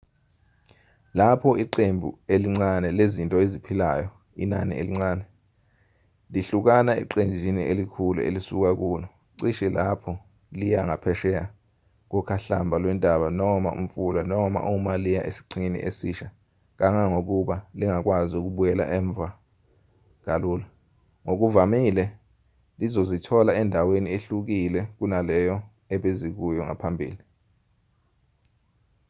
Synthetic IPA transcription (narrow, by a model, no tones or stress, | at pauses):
lapʰɔiǃembʱṵeliŋ͡ǀanɛlezintʼɔezipʰilaːjɔ | ḭnanḭʔḛliŋ͡ǀaːnɛ | liɬuk̬anaḭǃend͡ʒʱinḭʔelikʰulṵḛlisuk̬ak̬uːlɔ | ǀiʃɛlapʰɔ | lijaŋapʰɛʃɛa | k̬ɔkʰaɬambʱalwɛndʼʱaɓanɔmaṵm̩fulanɔma̰ʔumalijaʔḛsi̥ǀʰinḭʔḛsiʃa | k̬aŋaŋok̬uɓaliŋak̬wazuk̬uɓujɛla̰ʔɛːɱb̪vʱa | k̬ʼaluːla | ŋok̬uvamilɛ | lizozitʰɔlaɛndʱawenieɬuk̬ilɛk̬unalɛjɔ | ɛɓezik̬ujɔŋa̰pʰambʱḭːli